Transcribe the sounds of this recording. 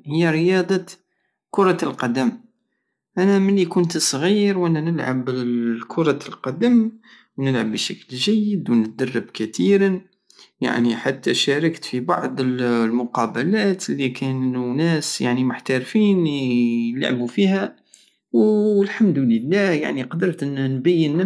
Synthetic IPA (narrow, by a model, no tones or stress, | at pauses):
həjːæɾəjɑd̪ˤɑ | kʊɾˤɑlqɑd̪əm | ʔænæməlːikʊnt̪sˤɣiɾwʔænænəlʕabkʰʊɾˤɑlqɑd̪əm | wnəlʕa̰bːʃæklʒæjːəd̪wnət̪̚d̪ɑrˤːɑbkæt̪iɾ | ja̰ʕniħat̪ːæʃæɾəkt̪fibɑʕd̪ˤəllmʊqɑbəlæt̪əlːikʰænunæsjaʕnimʊħt̪æɾfin | la̰ʕbufihæ | wəlħamd̪uləlːæhja̰ʕniqɑd̪əɾˤt̪nnbæjːənː